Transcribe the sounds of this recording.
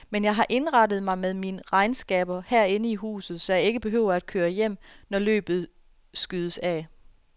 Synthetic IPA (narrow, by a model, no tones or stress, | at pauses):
menjɑ̈ɪɦɑ̈ʔe̝nʁɑ̈dð̞̩ˠmɑ̈ɪmeðˠminəʁɑ̈ɪnsɡ̥ɛ̰ːb̥ɐhæɐ̰e̝nəiɦṵːsð̞̩ˠsɒ̽jɑ̈ɪe̝ɡ̥əb̥e̝ɦøʊ̰ɐæd̥̚kʰøːɐjem̰nɒlø̰ːb̥ð̩ˠ | sɡ̥yð̞ˠəsæ